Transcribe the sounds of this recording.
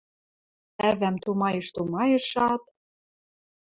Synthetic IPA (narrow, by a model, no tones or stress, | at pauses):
ævæmt̪umɑjɤ̆ʃt̪umɑjɤ̆ʃɑt̪̚